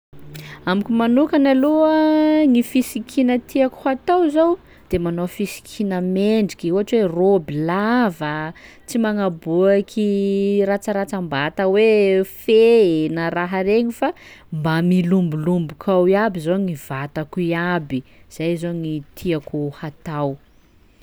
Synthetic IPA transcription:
amikʲumanukanaluaŋifisikʰinət̪ʰiaku̥hat̪awzow | d̪̥emanofisi̥kʰinəmeɳɖ͡ʐikʲiuɦaʈ͡ʂwerobilavə | t͡simaŋabuakʰirat͡ʃaɾat͡sambat̪əwefenaɾaɦaɾeɲifambamilumbulumbukʰawiabizoŋiv̥at̪akuiabiz̥ajzoŋit̪ʰiakuhat̪aw

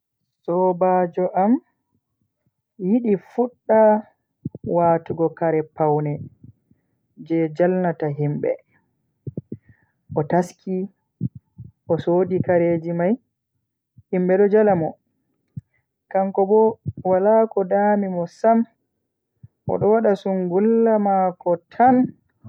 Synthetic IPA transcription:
sɔbaːd͡ʒɔʔam | jiɗifuɗːa | watuɡɔkaɾɛpawnɛ | d͡ʒɛd͡ʒalnataɦimbɛ̰ | ʔɔtaskʰi | ʔɔsoːdikaɾeːd͡ʒimaj | himbɛɗɔd͡ʒalamɔ | kaŋkɔbɔwalakɔdamimɔsam | ʔɔ̰ɗɔwaɗasuŋɡulːamakɔtʰan

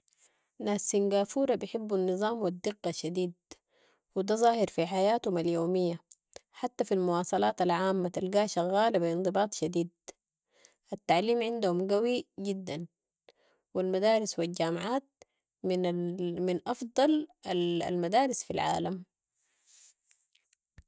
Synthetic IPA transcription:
naːsːiŋɡaːfuːɾˤɑbjɪħɪbːanːɨzˤɑːmwid̪ːɪɡːɑʃːad̪iːd̪̚ | wid̪azˤɑːhɪɾfiħajaːt̪humaljoːmijːa | ħat̪ːafilmuwɑːsˤɑlɑːt̪alʕaːmːat̪alɡaːʃaɣːaːlabiɪnd̪ˤɨbɑːt̪ˤʃad̪iːd̪̚ | ʔat̪ːaʕliːmʕɪnd̪humɡawiɟid̪ːan | wilmad̪aːɾɪswild͡ʒaːmʕaːt̪̚ | m | minʔɑfd̪ˤɑlaa̰lmad̪aːɾɪsfilʕa̰ːlam

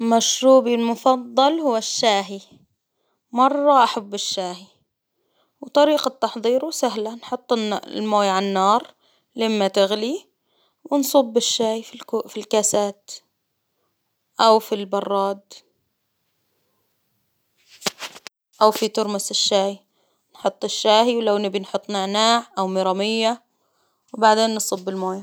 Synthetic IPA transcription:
maʃɾuːbilmʊfɑðˤːɑlhʊwːaʃːaːɦi | mɑrˤːɑʔaħabːɪʃːaːhi | wt̪ˤɑɾiːqɑt̪ːɑħðˤiːɾusaɦlanħʊt̪ˤːlmoːjʕanːɑːɾˤ | lɪmːat̪ɪɣli | wɪnsˤuːbːɪʃːaːjfikːfilkasaːt̪ | ʔawfilbɑrˤːɑːd̪ | ʔawfit̪ʊɾˤmasɪʃːaːj | nħʊt̪ˤːɪʃːaːhiwlawnɪbɪnħʊt̪ˤːnaʕnaːʕʔawmɪɾˤɑmɪjːa | wbaʕd̪eːnːɨsˤʊbːɪlmoːja

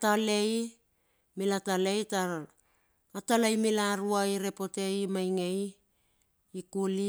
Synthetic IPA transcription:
tale̞j | milatalejta | atalajmilaɾuaiɾe̞po̞te̞jmajŋe̞j | kuli

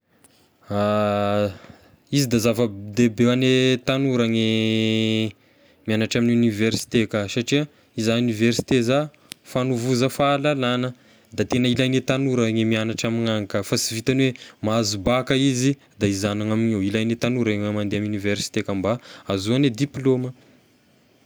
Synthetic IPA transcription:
a | izid̪azavəd̪ebeanet̪anuɾaŋe | mianaʈ͡ʂaminiuniversi̥t̪ekasaʈ͡ʂia | izauniversi̥t̪eza | fanuvuzafaːlalanə | d̪at̪enəilajnet̪anuɾaŋemianaʈ͡ʂamiŋaŋakəfasivit̪anwemaazubakəizi | d̪aizanaŋaminewilajnet̪anuɾaŋamand̪eamuniversi̥t̪ekambaazuaned̪iplomə

